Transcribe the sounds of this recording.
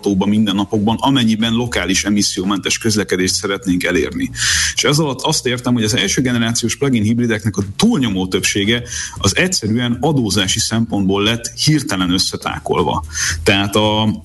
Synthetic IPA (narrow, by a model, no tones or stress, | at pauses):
t̪oːbɒmind̪ɛnːɒpo̞ɡ̚bɒnɒmɛɲːibɛnlo̞kaːliʃɛmisːijoːmɛnt̪ɛʃkø̞zlɛkɛd̪eːʃt̪sɛɾɛt̪neːŋkɛlḛːrnieʃɛzɒlɒt̪ːɒst̪eːrt̪ɛmho̞ɟɒzɛlʃøːɡɛnɛɾaːt̪sijoːʃplɛɡinɦibrid̪ɛknɛkɒt̪uːlɲo̞moːt̪ø̞pʃeːɡɛɒzɛcsɛɾyɛnɒd̪oːzaːʃisɛmpo̞nd̪̚boːlːɛt̪ːhirt̪ɛlɛnø̞sːɛt̪a̰ːko̞̰lvɒ̰t̪ɛɦaːt̪ɒ